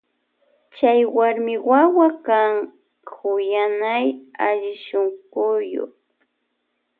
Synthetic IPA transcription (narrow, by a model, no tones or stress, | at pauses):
t͡ʃajwaɾmɪwawakaŋ | hʊjanajaʎɪʃoŋɢʊjo̰χ